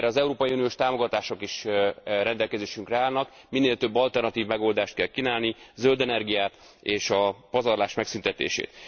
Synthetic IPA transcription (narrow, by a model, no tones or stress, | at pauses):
rɛɒzɛuɾoːpɒjiunijoːʃt̪aːmo̞ɡɒt̪aːʃo̞kiʃɾɛnd̪ɛlkɛzeːʃyŋkrɛaːlnɒk | minːeːlt̪ø̞bːɒlt̪ɛrnɒt̪iːvmɛɡo̞ld̪aːʃt̪̚kɛlkinaːlnizøld̪ɛnɛrɡijaːt̪ | eːʃɒpɒzɒrlaːʃmɛksynt̪ɛt̪ḛːʃḛːt̪